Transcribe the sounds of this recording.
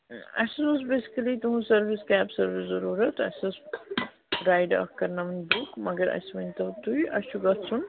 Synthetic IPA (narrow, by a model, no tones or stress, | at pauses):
ɐ̰sɐsbɐsbesi̥kɐlit̪uɦũsɐɾʋiskaːbsɐɾʋiszɐɾuːɾɐt̪ɐ̰sɐs | ɾaːjɖɐ̰kɐɾnamɐnbukmɐɡɐɾɐ̰sʋɐnʲt̪ɐt̪uiʔɐ̰t͡ʃʰuɡɐt̪sʰun